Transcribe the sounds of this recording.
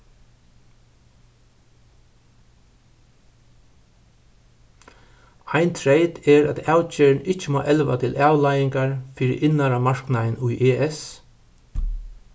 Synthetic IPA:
aɪnt̪ʰɹejt̪ɛɹæ̰t̪aːwt͡ʃeːɹnɪt͡ʃːɪmo̰ːʔɛlʋa̰t̪ʰɪlʔaːwlajɪŋkaɹfiːɾɪ̰ʔɪnaɾamaɹknaðnʊjʔeːʔɛs

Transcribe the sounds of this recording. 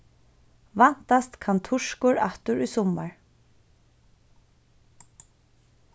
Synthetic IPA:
van̥t̪ast̪kʰant̪ʰʊʂkʊɹaht̪ʊɹʊjsɔmːaɹ

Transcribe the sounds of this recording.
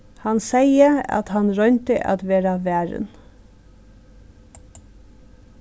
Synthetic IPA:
hɑnsæɪəɑ̰t̪hɑnɾœnt̪əʔɑ̰t̪ʋeːɾɑʋæːɹə̰n

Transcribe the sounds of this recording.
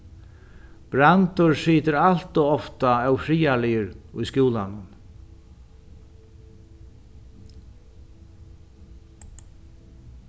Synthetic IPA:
b̥ɾant̪ʊɹsiːt̪ɪɾalt̪ʊɔft̪aɛwfɾiːalɪjɪɾʊjskuːlanʊn

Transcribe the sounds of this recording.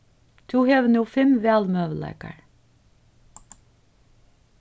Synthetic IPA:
t̪ʰuːheːʋənuːfɛmʋeːɑlmøːʋl̩æ̰ɪkɑ̰ɹ

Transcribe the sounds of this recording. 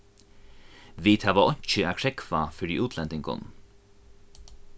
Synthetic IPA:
ʋiːt̪ʰaʋaʔɔɲ̥t͡ʃəæːkʰɹɛkvafœɹḭʔʉːt̪ʰlɛnt̪ɪŋkʊ̰n

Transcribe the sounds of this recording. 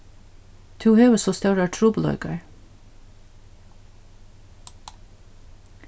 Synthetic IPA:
t̪ʰuːheːʋəsoːst̪œɹæːʈʰɹuːbəl̩œ̰ʏkɑɹ

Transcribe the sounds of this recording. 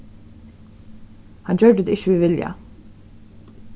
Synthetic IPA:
hɑnd͡ʒœːɖd̪ɪçəʋiːʋɪlja̰

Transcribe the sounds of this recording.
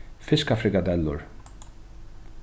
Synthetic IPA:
fɪskafɾɪkad̪ɛlːʊ̰ɹ

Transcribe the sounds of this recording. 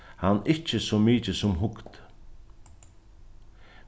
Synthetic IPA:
hanɪt͡ʃəsɔmiːt͡ʃəsʊmɦʊkt̪

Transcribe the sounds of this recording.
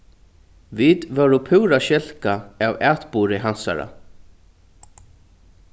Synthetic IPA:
viːt̪vœɾʊpʰʉwɾaʃɪl̥kaavæːt̪puːɾɪɦansa̰ɾa̰

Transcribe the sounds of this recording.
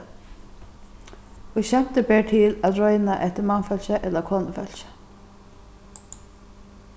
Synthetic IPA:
ɪɡɕɛm̥t̪əbɛːɹt̪ʰɪlæt̪ɹɔjnaʔɛht̪əɾmanfœl̥ɕəʔɛt̪lakʰoːnəfœl̥ɕə̥

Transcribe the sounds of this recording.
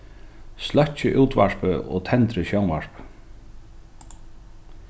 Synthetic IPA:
slœht͡ɕɪʔuːt̪vaɹ̥pʏɔ̰t̪ʰɛnt̪ɾɪɕjownvaɹ̥p

